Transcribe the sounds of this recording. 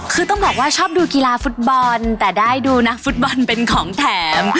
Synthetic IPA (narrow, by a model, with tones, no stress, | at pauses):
kʰɯː˧t̪ɔ˥˩ŋbɛː˨˩k̚waː˥˩t͡ɕʰɔː˥˩p̚duː˧ki˧laː˧fu˦˥t̪̚bɔ˧nt̪ɛː˨˩daː˥˩jduː˧na˦˥k̚fu˦˥t̪̚bɔ˧npe˧nkʰɔː˩˦ŋt̪ʰɛː˩˦m